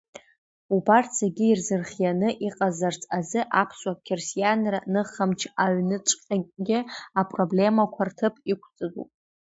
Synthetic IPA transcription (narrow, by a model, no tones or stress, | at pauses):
ubartʰseɡʲɪːrzɨrχʲjanɨʔiqʼazart͡sʰʼazɨʔapʰsʼwakʲʰersijanranɨχamt͡ʃʰaɥnɨt͡ʃʷʼqʲʼaɡʲɪapʼro̞ble̞makʷʰartʰɨpʰikʷʰt͡sʼɨdṵpʼ